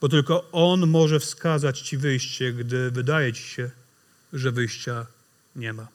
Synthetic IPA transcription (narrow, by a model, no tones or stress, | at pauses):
b̥ɔt̪ɘlkɔɔnmɔʐɛfskazat͡ɕt͡ɕivɘjɕt͡ɕɛɡd̪ɘvɘd̪ajɛt͡ɕi̥ɕɛ | ʐɛvɘjɕt͡ɕa | ɲɛma